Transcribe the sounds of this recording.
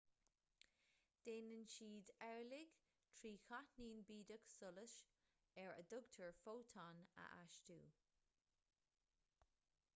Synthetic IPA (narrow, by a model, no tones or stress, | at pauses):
d̥eːnənʃiːdɛɹlɪɡ̥ | t̪ʰɹiːxʰatniːnbiːdəksʊləʃ | ɛɹə̰d̪ʊɡtʰəɹfoːtʰɑnə̰ʔaʃtṵː